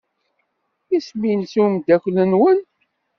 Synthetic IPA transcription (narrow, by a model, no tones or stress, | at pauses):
isminsumd̪æçʷlənwən